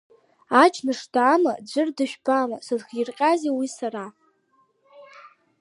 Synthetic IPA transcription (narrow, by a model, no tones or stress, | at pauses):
at͡ʃʰnɨʂtʰaːma̰d͡ʑʷɨrdɨʃᶣbamasɨzχɪrqʲʼazewisaɾa